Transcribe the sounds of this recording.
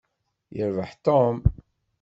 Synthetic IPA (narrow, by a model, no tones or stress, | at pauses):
jəɾvəħt̪om